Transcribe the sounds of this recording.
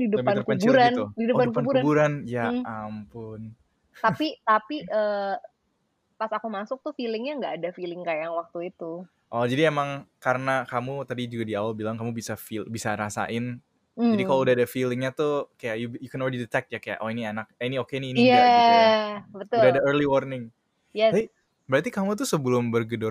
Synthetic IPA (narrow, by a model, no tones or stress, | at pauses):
didəbanəkəɲt͡ʃuɾanudidəpankpaənbuɾanbuɾanjaampʊn | t̪apit̪apiʔə | pasakumasʊk̚t̪ʊfilɪŋɲaŋɡaʔːdafilɪŋkajaŋwak̚t̪uit̪u | ʔɔd͡ʒadiemaŋkaɾənakamut̪adid͡ʒuɡadiawalbilaŋkamubisafibisaɾasa̰ʔɪn̩ | d͡ʒd͡ʒadikaloudahadafilɪŋɲat̪ukajajubjukɛnɔledidət̪ɛk̚t̪̚jakaja̰ʔoenianak̚eniokeniːnija | bət̪ʊudaadaərliwɔrnɪŋ | jɛsa | bəɾat̪ikamut̪usəbəlʊmbərɡədʊr